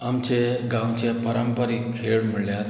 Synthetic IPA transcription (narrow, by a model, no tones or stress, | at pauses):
amt͡ɕeɡãwt͡ɕepəɾəmpəɾikʰːeɭmiɭjat̪